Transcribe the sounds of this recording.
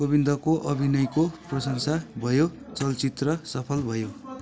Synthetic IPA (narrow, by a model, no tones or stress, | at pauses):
bʌbind̪ʱʌkoʔʌbʱinʌjkoprʌsʌŋsabʱʌjo | t͡sʌlt͡sit̪rʌsʌpʰʌlbʱʌjo